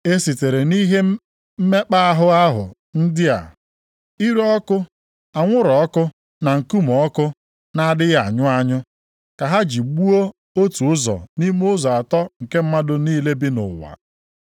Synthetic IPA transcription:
e˦si˨te˨ɾe˨ni˦ɦe˦ | m̩˦me˦k͡pa˦a˦ɦʊ˦a˦ɦʊ̰˨ | n̩˦dɪ˦a̰˨ | i˦ɾɔ˦kʊ˦ | a˨ŋʷʊ˦ɾɔ˨ɔ˦kʊ˦ | na˨ŋ̩˨ku˦mɔ˨˦kʊ˦ | na˦dɪ˦ɣa̰˨ɲʊ˦a˦ɲʊ˦ | ka˨ɦa˦d͡ʒi˨ɡ͡bu˦o˦ | o˦tu˨ʊ˦zɔ̰˨ni˦m˦ʊ˦zɔ˨a˨tɔ˦ŋ̩˨ke˦m̩˦ma˦dʊ˦niː˦le˦bi˦nʊ̰˨wa̰˨

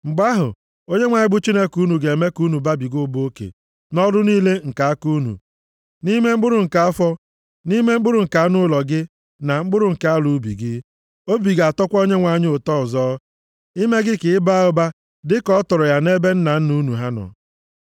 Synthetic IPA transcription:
ŋ͡m̩˨ɡ͡ba˦ɦʊ̰˨ | o˦ɲe˦ŋʷa˨ɪ˦bʊ˦t͡ʃi˦ne˦ku˦nu˨ɡe˨e˨me˦ku˦nu˨ba˦bi˨ɡʊ˦bo˦kḛ˨ | nɔ˦dʊ˦niː˦le˦ŋ̩˨ka˨a˦ku˦nṵ˨ | ni˦me˦ŋ͡m̩˦ɡ͡bʊ˦ɾʊ˨ŋ̩˨ka˨a˦fɔ˦ | ni˦me˦ŋ͡m̩˦ɡ͡bʊ˦ɾʊ˨ŋ̩˨ka˨a˦nʊ˦lɔ˨ɡɪ˦ | na˨ŋ͡m̩˦ɡ͡bʊ˦ɾʊ˦˨ŋ̩˨ka˨a˦lu˨˦bḭ˨ɡɪ˦ | o˦bi˨ɡa˨tɔ˦kʷo˦ɲe˦ŋʷa˨ɲ˦o˨tɔ˦˨zɔː˦ | i˦me˦ɡɪ˦kɪ˨ɪ˦ba˦ɔ˦ba˦ | dɪ˦kɔ˦tɔ˨ɾɔ˨ja˨ne˦be˦n̩˦na˨n̩˦nu˦nu˨ɦa˦nɔ̰˨

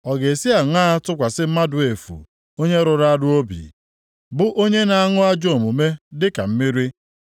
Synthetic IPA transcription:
ɔ˨ɡe˨si˦a˨ŋʷaː˦a˦tʊ˦kʷa˨sɪ˦m̩˦ma˦dʊ˨e˨fṵ˨ | o˦ɲe˦ɾʊ˨ɾa˦a˦dʊ˦o˦bḭ˨ | bʊ˦ʔo˦ɲe˦na˨a˦ŋʊ˦a˦d͡ʒo˦˨mu˨me˦dɪ˦ka̰˨m̩˦mi˦ɾi˦

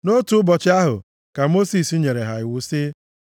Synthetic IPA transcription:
no˦tu˦bɔ˨t͡ʃɪ˦a˦ɦʊ̰˨ | ka˨mo˦si˨si˦ɲe˨ɾe˨ɦa˨ɪ˨wʊ˦si˦

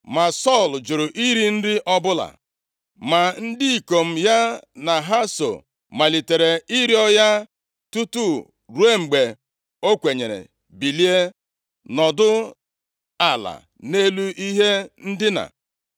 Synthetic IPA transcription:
ma˨sɔ˦˨ld͡ʒo˨ɾʊ˨ʔi˦ɾi˦n̩˦dɪ˦ʔɔ˦bʊ˦la̰˨ | ma˨n̩˦dɪ˦i˨ko˨m̩˦ja˦na˨ɦa˦so̰˨ | ma˨li˨te˨ɾe˨i˦ɾi˦ɔ˦ja˦ | tu˦tu˦ | ɾu˦e˦ŋ͡m̩˨ɡ͡be˨ | o˦kʷe˨ɲe˨ɾḛ˨ | bi˨li˦e˦ | nɔ˨dʊ˦ | a˨la̰˨ | ne˦lu˦ʔi˦ɦe˦n̩˦dɪ˦na̰˨

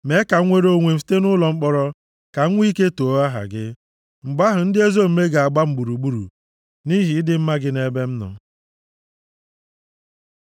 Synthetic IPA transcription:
me˨˦ka˨˦ŋʷe˦ɾo˦ŋʷe˨m̩˨fi̥˦te˦nʊ˦lɔ˨ŋ͡m̩˦k͡pɔ˦ɾɔ˦ | ka˨ŋ̩˦ŋʷ˦i˦ke˦to˨˦a˦ɦa̰˨ɡɪ˦ | ŋ͡m̩˨ɡ͡ba˦ɦʊ˨n̩˦dɪ˦e˦zo˦m̩˨me˦ɡa˨a˨ɡ͡ba˦m̩˨ɡ͡bu˨ɾu˨ɡ͡bu˦ɾṵ˨ | ni˦ɦi˨˦dɪ˦m̩˦ma˦ɡɪ˦ne˦be˦m̩˦nɔ̰˨

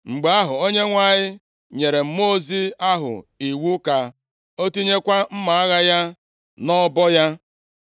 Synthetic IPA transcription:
ŋ͡m̩˨ɡ͡be˨a˦ɦʊ˨o˦ɲe˦ŋʷa˨ɲɪ˦ | ɲe˨ɾe˨m̩˦mo˦zi˦a˦ɦʊ̰˨i˨wu˦ka˨ | o˦ti˦ɲe˦kʷa˦m̩˦ma˨a˦ɣa˦ja˦ | nɔ˦bɔ˦ja˦

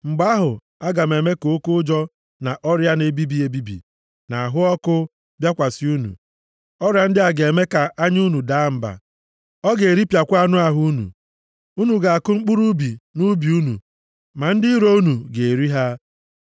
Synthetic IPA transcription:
ŋ͡m̩˨ɡ͡ba˦ɦʊ˨ | a˦ɡa˨me˨me˦ko˨o˦kʊ˦d͡ʒɔ˦ | na˨ʔɔ˦ɾja˦ne˨bi˦bi˨˦e˨bi˦bḭ˨ | na˨a˨ɦʊ˦ɔ˦kʊ˦ | bja˦kʷa˨sɪ˦u˦nṵ˨ | ɔ˦ɾja˨n̩˦dɪ˦a˨ɡe˨me˦ka˨ʔa˦ɲu˦nu˨da˨˦m̩˦ba̰˨ | ɔ˦ɡe˨ɾi˦pja˨kʷa˦nʊ˦a˨ɦʊ˦u˦nṵ˨ | u˦nu˨ɡa˨a˨kʊ˦ŋ͡m̩˦k͡pu˦ɾu˦bi˨nu˦bi˨u˦nṵ˨ | ma˨n̩˦dɪ˦ɾo˦u˦nu˨ɡe˨e˨ɾi˦ɦa˦

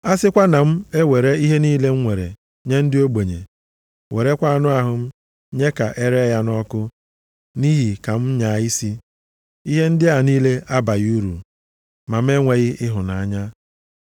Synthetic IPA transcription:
a˦sɪ˦kʷa˦na˨m̩˦e˦we˨ɾe˦i˦ɦe˦niː˦le˦ŋ̩˦ŋʷe˨ɾḛ˨ | ɲe˦n̩˦dɪ˦o˦ɡ͡bo˨ɲḛ˨ | we˨ɾe˦kʷa˦˨nʊ˦a˨ɦʊ˨m̩˦ | ɲe˦ka˨ʔe˦ɾe˦ja˦nɔ˦kʊ˦ | ni˦ɦi˨ka˨m̩˦ɲa˨i˦si˦ | i˦ɦe˦n̩˦dɪ˦a˨niː˦le˦ʔa˦ba˨ju˦ɾṵ˨ | ma˨m̩˦e˦ŋʷe˨ɣɪ˦ʔɪ˦ɦʊ˨na˨a˦˨ɲa˦

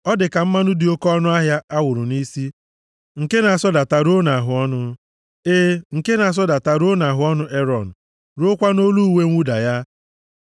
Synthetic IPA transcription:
ɔ˦dɪ˨ka˨m̩˦ma˦nʊ˦dɪ˨o˦kɔ˦nʊ˦a˦ɦja˦ʔa˦wʊ˨ɾʊ˨ni˦si˦ | ŋ̩˨ke˦na˨a˨sɔ˦da˨ta˨ɾo˦na˨ɦʊ˨ɔ˦nʊ˦ | eː˦ŋ̩˨ke˦na˨a˨s̬ɔ˦da˨ta˨ɾo˦na˨ɦʊ˨˦ɔ˦nʊ˦ʔe˦ɾɔ˨n̩˨ | ɾʊ˦kʷa˦no˦lu˦˨we˦ŋʷu˦da˨ja˦

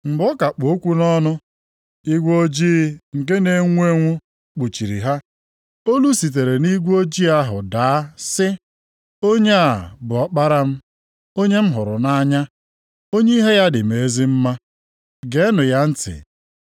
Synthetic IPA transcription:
m̩˨ɡ͡bɔ˦ka˨k͡po˨˦kʷu˦nɔ˦nʊ˦ | i˦ɡʷo˦d͡ʒi˦ŋ̩˨ke˦ne˨ŋʷ˦e˦ŋʷʊ˦ | k͡pu˨t͡ʃi˨ɾḭ˨ɦa˦ | o˦lu˦si˨t̬e˨ɾe˨ni˦ɡʷo˦d͡ʒi˦a˦ɦʊ̰˨daː˨˦sɪ˦ | o˦ɲe˦a˨bʊ˨ɔ˦k͡pa˦ɾa˦m̩˦ | o˦ɲe˦m̩˦ɦʊ˨ɾʊ̰˨na˦ɲa˦ | o˦ɲe˦i˦ɦe˦ja˦dɪ˨m̩e˨e˦zi˦m̩˦ma˦ | ɡe˨˦nʊ˨ja˦n̩˦tɪ̰˨

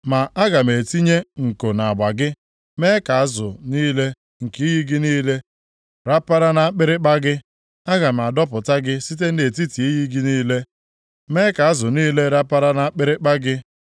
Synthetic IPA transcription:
ma˨ʔa˦ɡa˨me˨ti˦ɲe˦ŋ̩˨ko˨na˨ɡ͡ba˨ɡɪ˦ | meː˦ka˨a˦zʊ˨niː˦le˦ | ŋ̩˨ki˦i˦ji˦ɡi˦niː˦le˦ | ɾa˦pa˦ɾa˦na˨a˦k͡pɪ˦ɾɪ˦k͡pa˦ɡɪ˦ | a˦ɡa˨m˨a˨dɔ˦pʊ˨ta˦ɡɪ˦si˦t̬e˦n̩˦e˨ti˦ti˨i˦ji˦ɡi˦niː˦le˦ | me˦ka˨a˦zʊ˨niː˦le˦ɾa˦pa˦ɾa˦na˦a˦k͡pɪ˦ɾɪ˦k͡pa˦ɡɪ˦

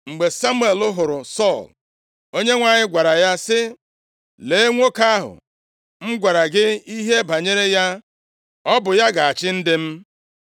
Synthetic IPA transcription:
ŋ͡m̩˨ɡ͡be˨sa˦mu˦e˨lʊ˦ɦʊ˨ɾʊ˨sɔ˦˨l | o˦ɲe˦ŋʷa˨ɲɪ˦ɡʷa˨ɾa˨ja˦sɪ˦ | le˨e˦ŋʷo˦ka˦ɦʊ̰˨ | ŋ͡m̩˦ɡʷa˨ɾa˨ɡɪ˦i˦ɦe˦ba˨ɲe˦ɾe˦ja˦ | ɔ˦bʊ˨ja˦ɡa˨a˨t͡ʃɪ˦n̩˦dɪ˦m̩˦

